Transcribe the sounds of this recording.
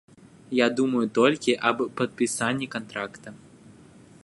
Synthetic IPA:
jad̪umɐjut̪ɔlʲkʲiʔɐbpɐt̪̚pʲisanʲːikant̪ɾakt̪ɐ

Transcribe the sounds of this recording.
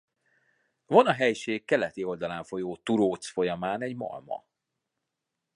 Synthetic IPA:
vonɒɦɛjʃeːkːɛlɛt̪io̞ld̪ɒlaːɱfo̞joːt̪uɾoːt̪sfo̞jɒmaːnɛɟmɒ̰lmɒ̰

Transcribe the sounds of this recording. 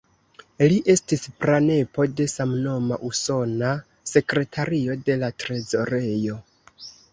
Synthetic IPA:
liʔe̞stispɾane̞po̞de̞samno̞maʔuso̞na | se̞kɾe̞tʰaɾio̞de̞latɾe̞zo̞ɾe̞jo̞

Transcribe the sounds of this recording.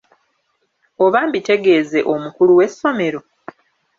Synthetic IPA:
o̞βaːmbite̞ɡe̞ːze̞ʔomukuluwe̞sːo̞me̞ɾo̞

